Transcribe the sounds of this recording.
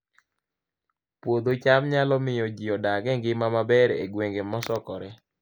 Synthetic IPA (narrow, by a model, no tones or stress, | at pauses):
pwod̪ot͡ʃamɲalɔmɪjɔd͡ʒiɔdaɡɛŋɡɪmamabɛɾḛɡweŋɡemɔsɔkɔɾɛ